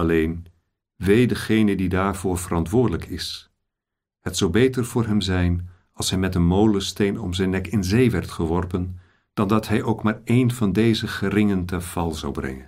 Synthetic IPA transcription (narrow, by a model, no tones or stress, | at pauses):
ɑlejn | ʋejdəχejnədidaːɹvʊːɹvərɑntʋʊːɹdələkʰɪs | hətsowbejtəɹv̥ʊːɹɦɛmzɛjn | ɑlˠsɦɛjmɛtənmowləstejnɔ̰mzɛjnːɛkɪnzejʋɛrtχəʋɔrpən | d̥ɑndɑtɦɛjʔowkmaːɹejnvɑndejzəχərɪŋəntɛnv̥ɑlˠzɑ̰wbrɛ̰ŋən